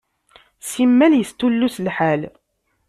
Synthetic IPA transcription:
simːæljəst̪ulːuslħal

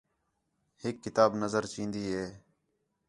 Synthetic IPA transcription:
hɪkːɪt̪aːbnəzəɾt͡ʃĩːnd̪iːɦeː

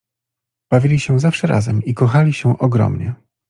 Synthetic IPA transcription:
b̥avʲilʲiɕɛ̃zafʂɛɾa̰zɛmikɔxalʲiɕɛ̃ʔɔɡɾɔ̰mɲɛ

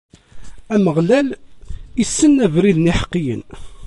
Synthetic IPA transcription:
æməʁlælisːənːævɾiðniħə̥qːijə̰n

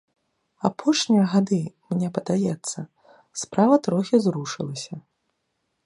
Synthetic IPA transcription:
apʰɔʂnʲijɐɣad̪ɨmnʲɛpɐd̪ajɛt̪sːɐ | spɾavɐt̪ɾɔxʲizɾuʂɨ̰lˠɐsʲɐ

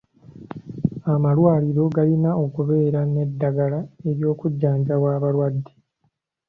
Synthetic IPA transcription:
amalwaːliɾo̞ɡalinao̞kuβe̞ːɾane̞dːaɡalae̞ɾjo̞ːkuɟːaːɲɟawaːβalwadːi̥

